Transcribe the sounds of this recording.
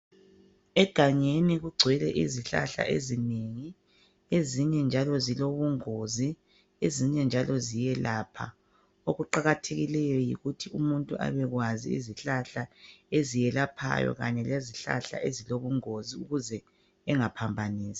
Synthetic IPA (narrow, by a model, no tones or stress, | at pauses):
ɛɡ̥ʱaɲeniɣuɡ͡ǀʱwɛlɛ̰ʔiziɬa̰ɬa̰ʔḛzineŋi | eziɲɛnd͡ʒʱalɔziloβuŋozi | eziɲɛnd͡ʒʱalɔzijɛlaːpʰa̰ | oɣuǃaɣatʰeɣilɛjɔjḭɣutʰiumuntʼuʔa̰βɛɣwazḭḭziɬaɬaezijɛlapʰa̰jɔ̰ɣa̰ɲɛleziɬa̰ɬa̰ʔeziloβuŋoziuɣuzɛ | ɛŋapʰambʱaniːsḁ